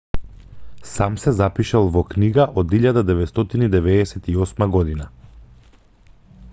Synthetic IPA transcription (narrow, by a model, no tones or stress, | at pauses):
samsɛzapiʃalˠvɔkniɡaʔɔd̪iʎad̪ad̪ɛvɛt̪st̪ɔt̪inid̪ɛvɛːsɛt̪iɔsmaɡɔd̪ina